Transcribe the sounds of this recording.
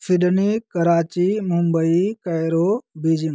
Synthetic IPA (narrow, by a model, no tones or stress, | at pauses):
fʰɪɗnikɐɾaːt͡ʃimumbəikɐjɾobiːd͡ʒiŋ